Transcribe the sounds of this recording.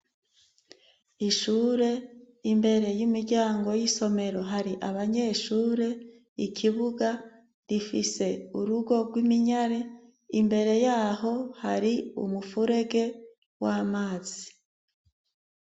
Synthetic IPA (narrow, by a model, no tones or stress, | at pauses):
iʃuːɾe̞ | imbe̞ɾe̞jimiɾɟaːŋɡo̞jiso̞me̞ɾo̞ɦaɾiʔaβaɲe̞ːʃuːɾe̞ | icʰiβuɡa | ɾifise̞uɾuɡo̞ɡwimiɲaɾe̞ | imbe̞ɾe̞jaːho̞haɾiṵmufuɾe̞ɡe̞ | waːmaːz̥i